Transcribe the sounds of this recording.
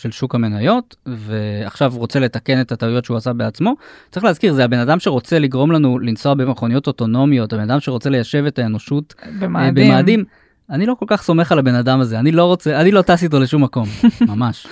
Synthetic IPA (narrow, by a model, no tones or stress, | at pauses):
ʃelʃukame̞najo̞tve̞aχʃavʁo̞t͡se̞letake̞ne̞tataujotʃeuasabe̞at͡smo̞t͡saʁiχleazkiʁzehabe̞nadamʃeʁo̞t͡se̞liɡʁo̞mlanulinso̞abemχo̞nijo̞to̞to̞no̞mijo̞thabe̞nad̪amʃe̞ʁo̞t͡se̞le̞jaʃe̞ve̞taeno̞ʃutbemabemaːd̪im | aniloko̞lkaχso̞me̞χalabe̞nadamazeanilo̞ʁo̞t͡se̞anilo̞tas̬it̬o̞leʃumːako̞mmamaʃ